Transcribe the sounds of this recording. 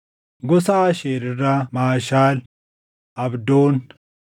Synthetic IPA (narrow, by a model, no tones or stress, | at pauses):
ɡɔsaːʃeːɾɪrːɐmaːʃaːl | ʔɐbd̪oːn